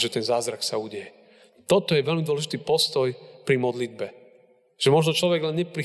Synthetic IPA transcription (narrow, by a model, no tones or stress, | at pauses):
ʒɛt̪ɛnzaːzɾaksauːɟɛjɛ | t̪ɔt̪ɔjɛʋɛlmid̪wɔlɛʒit̪iːpɔst̪ɔjpɾimɔd̪lid̪̚bɛ | ʒ̥ɛmɔʒnɔt͡ʃlɔʋɛɡlɛnɲɛpɾi